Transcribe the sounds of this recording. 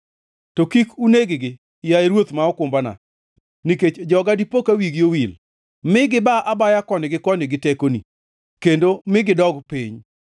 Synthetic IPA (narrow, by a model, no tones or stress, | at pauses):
tokikuneɡɪɡɪ | jaeɾwot̪maɔkʊmbana̰ | niket͡ʃd͡ʒɔɡadipokawiɡjowil | mɪɡɪbaʔabajakɔnɪɡɪkɔnɪɡɪtekonḭ | kendomɪɡɪdɔɡpiɲ